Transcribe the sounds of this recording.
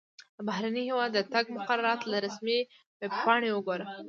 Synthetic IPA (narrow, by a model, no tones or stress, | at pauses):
d̪əbaɦɾanihewɑd̪ːət̪aɡ̚mʊqaɾaɾɑt̪laɾasmi | webpɑɳewəɡoɾa